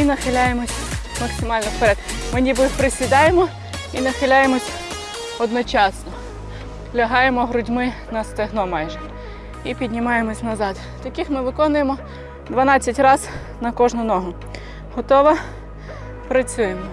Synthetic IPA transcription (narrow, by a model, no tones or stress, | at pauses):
inɐxɪlʲajemɔsʲmɐksɪmɑlʲnɔfpeɾɛd̪mɪnʲibɪpɾɪsʲʋʲid̪ɑjemɔ | inɐxɪlʲajemɔsʲ | ɔd̪nɔt͡ʃɑsnɔ | lʲɐɦɑjemɔɦɾʊdʲmɪnɐst̪eɦnɔmɑjʒɛ | ipʲid̪ʲnʲimɑjemɔsʲnɐzɑd̪ | t̪ɐkʲɪxmɪʋɪkɔnʊjemɔ | d̪ʋɐnɑt͡sʲːɐtʲrɑz | nɐkɔʒnʊnɔɦʊ | ɦɔt̪ɔʋɐ | pɾɐt͡sʲujemɔ